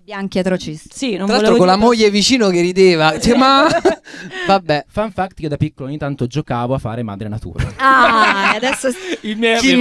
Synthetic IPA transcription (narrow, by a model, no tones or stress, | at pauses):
bjaŋk̟iat̪ɾot͡ʃist̪sinõɾalalt̪ɾokolamojːevit͡ʃiːnok̟erːid̪eːvat͡ʃima | vabːɛfaɱfakt̪ked̪apikːoloɲːit̪ant̪od͡ʒokaːvoafːa̰ːɾema̰d̪ɾenat̪ṵːɾaaad̪ɛsːoimɛi